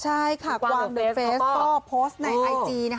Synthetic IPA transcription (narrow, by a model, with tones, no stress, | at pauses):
t͡ɕʰa˥˩jkʰa˧˩waː˧ŋdo˦˧fe˧˦˥skɔː˥˩pʰoː˦˥st̪̚na˧jʔa˧jtiː˧na˦˥